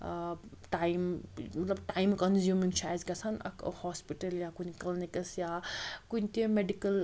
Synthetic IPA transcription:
ʈaːimmɐt̪lɐbʈaːimkɐnzjumint͡ʃʰaːjzkɐsɐnɐ̰khɔːspiʈɐljaːkunklinikɐsjaːkunt̪iẽmeɖikɐl

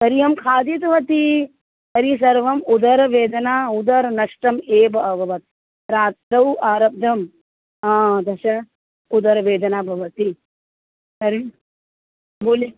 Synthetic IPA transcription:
kɐɾijɐmkʰaːd̪it̪ʋɐt̪i | ɐɾis̬ɐɾʋɐmud̪ʱɐɾɐʋeːd̪ɐnaːud̪ɐɾnɐʂʈɐmeːbɐɐbʱɐʋɐt̪̚ | ɾaːt̪ɾɐwʔaːɾɐp̚d̪ʱɐm | aːd̪ɐʃɐ | ud̪ʱɐɾɐʋeːd̪ɐnaːbʱɐʋɐt̪i | ɐɾi | boːli

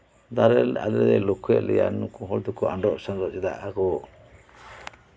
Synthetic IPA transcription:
d̪aɾɛla̰lɛɾɛlokʰuɛ̰ʔlɛja̰nukũɦɔld̪ukɔa̰ɳɖɔʔsanɾɔd͡ʒɛd̪a̰ʔakɔ

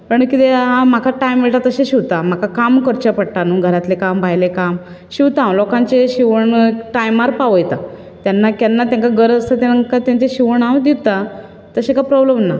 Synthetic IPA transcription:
pəɳkit̪eɦãm̤akʰaʈajmʋeʈat̪əɕẽɕiʋt̪am̤akakamkəɾt͡ɕapəɽʈanuɡʱəɾat̪lekambʱajlekam | ɕiwt̪ãʋlɔkãɲt͡ɕeɕiʋəɳʈajmaɾpaʋəjt̪a | t̪janːakjanːat̪jãŋkaɡəɾst̪at̪aŋkat̪jãɲt͡ɕeɕiʋəɳawd̪it̪a | t̪əɕẽkapɾɔbləmna

